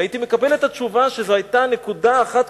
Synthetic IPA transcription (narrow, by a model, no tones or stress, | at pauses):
it̪ime̞kabe̞le̞t̪at͡ʃuvaʃezohajtane̞kudaːχat̪